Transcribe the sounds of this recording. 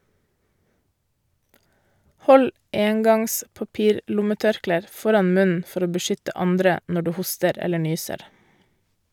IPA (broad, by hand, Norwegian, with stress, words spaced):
ˈhɔl ˈeːŋɡɑŋs pɑˈpiːɾˌlʊməˌtœɾkleːɾ ˈfɔɾɑn ˈmʉnn̩ ˈfɔɾ ˈoː bəˈʃʏtə ˈɑndɾə ˈnɔ ˈɖʉː ˈhʊstəɾ ˈɛlə ˈɳyːsəɾ